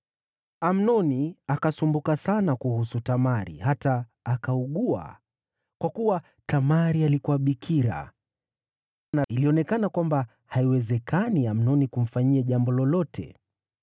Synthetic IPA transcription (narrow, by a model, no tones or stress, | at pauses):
am̩nɔniakasumbukasanakuhusutamaɾḭhataːkauɠua̰ | kwakuwa | tamaɾialikuwaɓikʰiɾa̰ | nailiɔnɛkanakwamba | haiwɛzɛkʰaniam̩nɔnikum̩faɲiɛʄambɔlɔlɔtʰɛ̰